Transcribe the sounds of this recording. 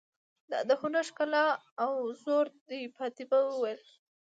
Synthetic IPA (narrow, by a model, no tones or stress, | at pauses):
d̪ɑ̰d̪əxunaʂkalɑː | wzoɾd̪ipʰɑt̪ibawəwel